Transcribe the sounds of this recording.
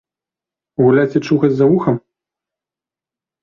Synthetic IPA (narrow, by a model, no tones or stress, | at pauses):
ɣulʲat͡sʲit͡ʂuxɐt͡sʲzɐuxɐm